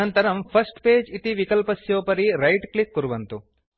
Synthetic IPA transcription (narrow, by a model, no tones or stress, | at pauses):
ɐnt̪ɐɾɐmpʰɐsʈpeːd͡ʒit̪iʋikɐlpɐsjoːpɐɾiɾɐjʈklikːuɾuʋɐnt̪u